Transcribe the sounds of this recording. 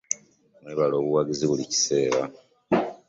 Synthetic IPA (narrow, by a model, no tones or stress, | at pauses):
mweβalo̞ːβuwaɡiziβulici̥se̞ːɾa